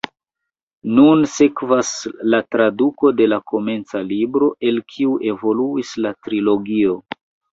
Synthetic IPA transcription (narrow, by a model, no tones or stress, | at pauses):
nunse̞kvaslatɾaduko̞de̞lako̞me̞nt͡salibɾo̞ʔe̞lkʰiuʔe̞vo̞luislatɾilo̞ɡio̞